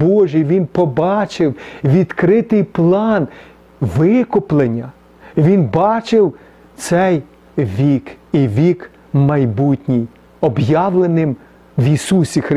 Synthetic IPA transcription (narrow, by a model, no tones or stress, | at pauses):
bɔʒijʋʲinpɔbɑt͡ʃɪwʋʲid̪kɾɪt̪ɪjplˠɑn | ʋɪkʊplˠenʲːɐ | ʋʲinbɑt͡ʃɪw | t̪sɛj | ʋʲikiʋʲik | mɐjbutʲnʲij | ɔbjɑʋlˠenɪm | ʋisusʲixɾ